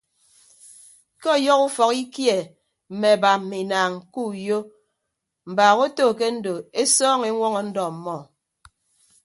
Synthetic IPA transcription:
ke˦ɔ˦˨jɔ˦ku˦fɔ˨ki˦kje˨ | m̩˨me˨ba˨m̩˨mi˨naː˨ŋku˦˨jo˦ | m̩˨baː˨ɣo˦toː˦˨ke˦n̩˦do˨e˦sɔː˦ŋe˨˦ŋʷɔ˦ŋɔ˨n̩˦dɔ˨m̩˨mɔ˨

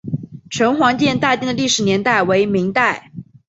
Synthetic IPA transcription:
ʈ͡ʂʰə˧˥nxwɑ˧˥ŋt͡ɕjɛ˥˧nt̪a˥˧t̪i˥˧ŋd̪ə˩li˥˩ʂɻ̩˨˦njɛ˧˥nt̪a˥˩ɪwe˧˥ɪmi˧˥ŋt̪a˥˩ɪ

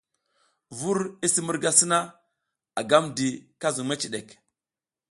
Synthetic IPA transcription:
vu˦ɾi˦si˦mu˦ɾɡa˦si˦na˦ | a˨ɡa˦mdi˨ka˦zu˨ŋma˦t͡ʃi˨ɗe˨k

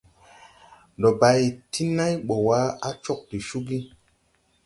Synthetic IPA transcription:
ɗɔ˨ba˨ji˨tʰi˦na˦jɓɔ˨wa˦a˦t͡ʃɔ˦˨k̚ti˨ʃu˦ɡi˦

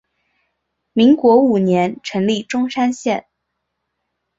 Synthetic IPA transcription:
mi˧˥ŋkwɔ˧˥u˨˩njɛ˧˥nʈ͡ʂʰɤ˧˥ŋli˥˩ʈ͡ʂʊ˥ŋʂa˥nɕjɛ˥˩n

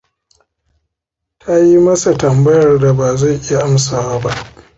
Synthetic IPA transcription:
tʰa˦ji˦mɐ˦sa˨tɐ˨mbɐ˦jɐ˨rda˨baː˨za˦˨jʔɪ˦ja˨ʔa˦msaː˨wa˦ba˦ʔ

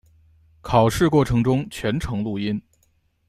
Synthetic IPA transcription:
kʰɑ˨˩ʊʂɻ̩˥˧kwɔ˥˩ʈ͡ʂʰɤ˧˥ŋʈ͡ʂʊ˥ŋt͡ɕʰɥɛ˧˥nʈ͡ʂʰɤ˧˥ŋlu˥˩i˥n

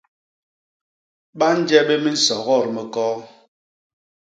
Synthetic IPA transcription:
ɓa˦n̩˦d͡ʒɛ˦be˦mi˦n̩˦sɔ˨ɣɔ˦˨ɾmɛ˨kɔ˦

